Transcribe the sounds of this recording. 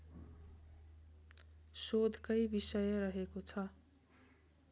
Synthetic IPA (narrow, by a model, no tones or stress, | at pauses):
sod̪ʱkʌjbisʌjʌɾʌɦekot͡sʰʌ